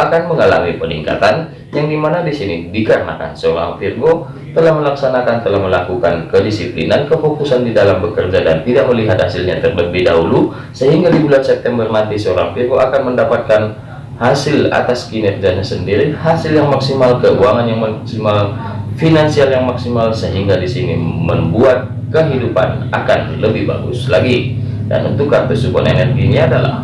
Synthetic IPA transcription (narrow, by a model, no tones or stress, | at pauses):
akanməŋala̰mipənḭŋka̰t̪an | jaŋdimanadisinibikarna̰ka̰nsəoɾa̰ŋfirɡo | t̪əlahməlaksanakant̪əlahməlakukankədisiplinankəfokusandidalambəkərd͡ʒadant̪idak̚məliɦat̪̚hasilɲat̪ərləbɪhda̰ɦulu | səɦiŋɡadibulansɛp̚t̪ɛmbərnant̪isəoɾa̰ŋfirɡoakanməndapat̪̚kan | hasɪla̰t̪askinɛrd͡ʒaɲasəndiɾihasɪljaŋmaksimalkəuaŋanjaŋmaksimalfinansialjaŋmaksimalsəɦiŋɡadisinḭməmbuat̪̚ | kəɦidupa̰na̰kanləbɪhba̰ɡṵslaɡi | da̰nṵnt̪ʊkːart̪usupɔ̰nḛnɛrɡiniadala̰h